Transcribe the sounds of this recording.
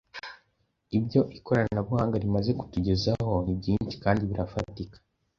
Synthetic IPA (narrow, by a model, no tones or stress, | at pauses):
ibɟo̞ʔikʰo̞ɾannabuhaːŋɡaɾimaze̞ku̥tuɟe̞zaho̞nibɟiːnt͡ʃi̥kaːndiβiɾafatikḁ